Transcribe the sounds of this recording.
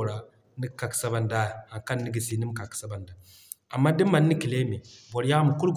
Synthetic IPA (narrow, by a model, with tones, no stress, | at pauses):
ɾa˨ | ni˦ka˨ksa˦ba˨n˨da˦˨a˨ka˦n˦nːi˦ɡi˨si˨ni˦m˦ka˨ksa˦ba˨nda˨ | a˨mːa˦di˦mː˦a˨nː˦i˦ki˨le˦mi˨bɔ˨ɾja˦mu˨ku˦ɾɡ